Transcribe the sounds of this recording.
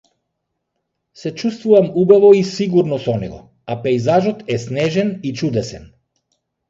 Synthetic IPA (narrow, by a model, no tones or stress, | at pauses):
sɛt͡ʃust̪vuvamubavɔisiɡuɾnɔsɔnɛ̰ɡɔ̰ | apɛjzaʒɔt̪ɛsnɛʒɛnit͡ʃud̪ɛsɛn